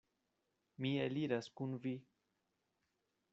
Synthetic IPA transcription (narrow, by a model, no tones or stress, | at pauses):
mieliɾaskunvi